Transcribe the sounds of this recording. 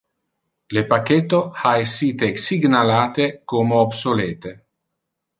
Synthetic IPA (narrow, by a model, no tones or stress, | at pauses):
lepakːet̪ːohaesːiːt̪esiɡnalaːt̪ekomeobsoleːt̪e